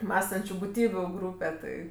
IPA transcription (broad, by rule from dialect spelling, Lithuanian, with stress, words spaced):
ˈmɑːstɐnʲt͡ʃʲʊ bʊˈtʲiːbʲʊ ˈɡruːpʲɛ ˈtʲɪ